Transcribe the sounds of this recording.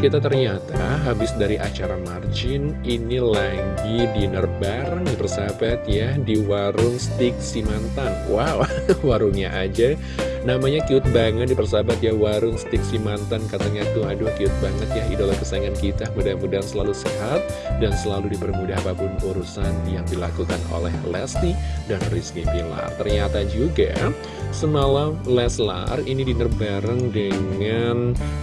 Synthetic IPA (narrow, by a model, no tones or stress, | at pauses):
kit̪at̪ərɲat̪aɦabɪsdaɾiʔat͡ʃaɾamard͡ʒɪn | inilaɡidinərbaripərsabat̪̚jadiwaɾʊŋst̪ɪk̚simant̪anwawwaɾʊŋɲaʔad͡ʒa | namaɲakiʊt̪̚baŋət̪̚dipərs̬abat̪̚jawaɾʊŋsə̥t̪ɪk̚simant̪ankat̪əŋait̪uɦaduhkiʊt̪̚baŋət̪jaɦidolahkəsaaŋankit̪amudamudaɦnsəlalusəɦat̪̚dansəlaludipərmudaɦapapʊnuɾusanjaŋdila̰kukano̰lɛ̰hlɛst̪idanriskipila̰t̪ərɲat̪ad͡ʒuɡa̰ | səməlalɛsla̰rinidinərbaɾəŋdəŋan